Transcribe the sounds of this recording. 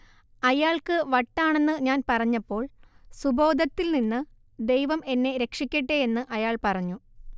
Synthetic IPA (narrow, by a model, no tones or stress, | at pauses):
ɐjaːɭkɨʋɐʈːaːɳe̞nːɨɲaːnpɐrɐɲːɐpːo̞ːɭsubo̞ːd̪ʱɐt̪ːilninːɨ | d̪e̞jʋɐme̞nːe̞ɾe̞kʂikʲːɐʈːeenːɨʔɐjaːɭpɐrɐɲːu